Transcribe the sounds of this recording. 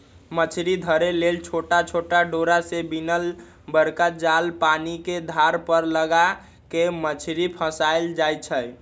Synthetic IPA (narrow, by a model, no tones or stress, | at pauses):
mət͡ʃʰɾid̪ʱəɾelelt͡ʃʰoʈat͡ʃʰoʈaɖoɾasebinəl | bəɾkəd͡ʒalpaniked̪ʱaɾpəɾləɡa | kemət͡ʃʰɾipʰə̃sajld͡ʒajt͡ʃʰəj